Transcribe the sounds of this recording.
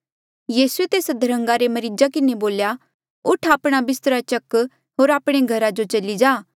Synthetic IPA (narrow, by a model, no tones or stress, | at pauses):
jiːsuet̪eːsd̪ʱɐɾə̃ŋɡaɾemɐɾɪd͡ʒakɪneboːlja | ʊʈʰaːpɽ̃abɪst̪əɾat͡ʃɐkː | ɦoːɾaːpɽ̃eɡʱɐɾad͡ʒot͡ʃɐlid͡ʒaː